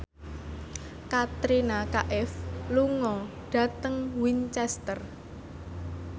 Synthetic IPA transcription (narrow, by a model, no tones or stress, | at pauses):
kat̪ɾinakaʔɛfluŋɔ | ɖ̥ä̤t̪əŋwint͡ʃɛst̪ər